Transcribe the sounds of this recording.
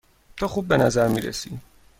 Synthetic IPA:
t̪ʰɒːxuːbːe̞næzæɾmiːɾḛsḭ

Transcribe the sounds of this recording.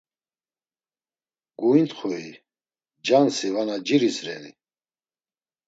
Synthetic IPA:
ɡ̥uint̪χuḭ | d͡ʒansivanad͡ʒiɾisɾɛ̰nḭ

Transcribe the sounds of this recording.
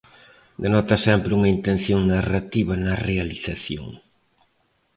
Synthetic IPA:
d̪enɔt̪ɐsɛmpɾeuŋɐint̪ẽn̟θjoŋnarat̪iβɐnɐrealiθaθjo̰ŋ

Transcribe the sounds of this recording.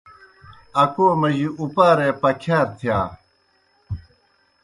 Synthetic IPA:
ɐkoːmɐʑiupaːɾeːpɐkʰaːɾt̪ʰijaː

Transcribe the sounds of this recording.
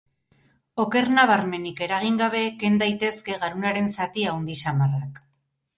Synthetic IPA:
o̞ke̞ɾnaβ̞aɾme̞nike̞ɾaɣ̞iŋɡaβ̞e̞ːke̞nd̪ajt̪e̞ske̞ɣaɾunaɾe̞nsat̪iawnd̪isamarak

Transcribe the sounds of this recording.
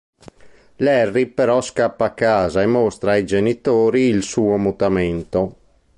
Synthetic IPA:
lɛrːipeɾɔskapːaːkːaːzaemːɔst̪ɾaːjd͡ʒenit̪oːɾiːlsuːomut̪ament̪o

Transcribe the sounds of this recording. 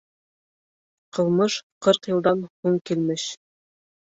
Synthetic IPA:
qɤ̆lˠmɤʃqɤɾqjɤ̆lˠd̪ɑnhuŋkilmɘʃ

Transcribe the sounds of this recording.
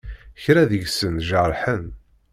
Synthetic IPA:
çɾæðəʝsənʒəɾˤħən

